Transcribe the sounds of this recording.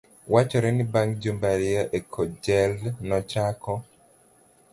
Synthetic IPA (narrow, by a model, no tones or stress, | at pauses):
wat͡ʃɔɾɛnibaŋd͡ʒumbaɾɪaʔekʰɔd͡ʒɛlnɔt͡ʃakɔ